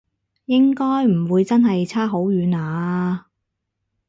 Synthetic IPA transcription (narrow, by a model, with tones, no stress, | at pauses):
jɪ˥ŋkɔː˥jm̩˨˩wuː˨˧jt͡sɐ˥nɦɐ˨jt͡sʰaː˥ɦo˨˥wɥyː˨˧naː˨˥